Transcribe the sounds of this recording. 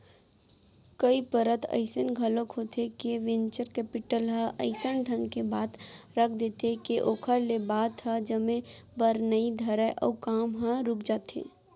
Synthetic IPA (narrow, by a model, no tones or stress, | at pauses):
kəipəɾət̪ʰə̰ɪsənɡʱəlõkɦot̪ekeʋɪnt͡ʃəɾkɛːpɪʈəlɦə̃ʔəɪsənʈʰə̃ŋɡkebaːt̪ɾək̚ʰd̪et̪ekeʔoːkʰəɾlebaːt̪ɦəd͡ʒəmẽbəɾnəid̪ʱəɾəʔɔ̰ːkaːmɦə̃ɾʊkd͡ʒaːt̪ḛː